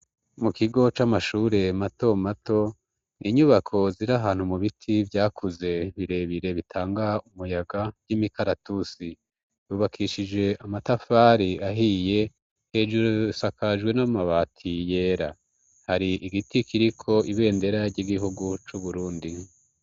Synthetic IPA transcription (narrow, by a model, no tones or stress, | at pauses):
mukiɡo̞t͡ʃamaʃuːɾe̞mato̞mato̞ | niɲuβakʰo̞ziɾaɦaːn̥humuβitʰivjaːkʰuze̞βiɾe̞βiɾe̞βitʰaːŋɡaumujaɡḁjimikaɾatusi | juːβakʰiʃid͡ʒe̞ʔamatafaːɾiaɦije̞ | he̞d͡ʒuɾusakʰaʒɡwe̞namaβaːtʰije̞ːɾa | haɾiʔiɡitikiɾikʰo̞ʔiβe̞ːnde̞ɾaɾɟiɡiɦuɡut͡ʃuβuɾuːndi